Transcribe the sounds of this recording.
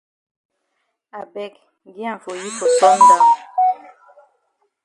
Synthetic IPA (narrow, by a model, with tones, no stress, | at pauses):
a˨bɛ˦˨k | ɡi˦ã˨fo˨ji˦fo˨sɔ˦ŋ˦ɡa˦˨